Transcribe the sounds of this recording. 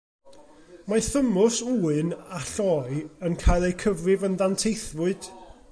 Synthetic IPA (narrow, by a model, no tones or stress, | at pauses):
maθəmʊsuːɨnaɬɔːɨənkʰaːjlˠejkʰəvrɪvənðantʰejθvʊɨd̥